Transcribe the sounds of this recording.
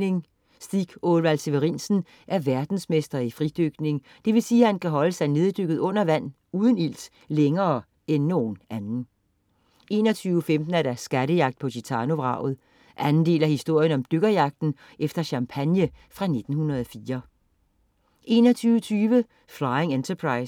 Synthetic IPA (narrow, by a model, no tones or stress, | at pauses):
ne̝ŋ | sd̥iɡ̥olʋæl̰se̝ʋeʁinsn̩ | ʔæɐʋæɐd̥n̩smesd̥ɐifʁid̥øɡ̥ne̝ŋ | d̥e̝ʋe̝siːhænkʰæɦɒ̽ləsɑ̈ɪne̝ːð̞ˠd̥øɡ̥ð̩ˠɔ̽n̰ɐʋæn̰ | uːð̞ˠən̩il̰s | leŋɐː | enːo̝ːn̩ænn̩ | e̝̰ːnɐt͡sʰyːʊəfemd̥n̩æɐɾ̥æsɡ̥æɾəjɑ̈ɡ̥̚d̥̚pʰɒ̽dʰit͡sʰɑ̈no̝ʋʁɑ̈ʊ̰ð̞̩ˠ | ʔænnd̥e̝̰ːlɐhisd̥o̝ɐ̰jənɒ̽md̥øɡ̥ɐjɑ̈ɡ̥̚d̥n̩ | ʔefd̥ɐɕɑ̈mpʰænjəfʁɑ̈ne̝d̥n̩hunɐð̞ˠɒ̽fiːɐ | ʔe̝ːnɒt͡sʰyːʊət͡sʰyːʋə | flɑ̈ɪeŋent͡sʰɐpʰʁɑ̈ɪs